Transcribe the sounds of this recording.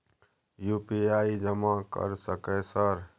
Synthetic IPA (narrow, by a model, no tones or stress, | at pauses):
jupiaid͡ʒəmakə̰ɾsəkɛsəɾ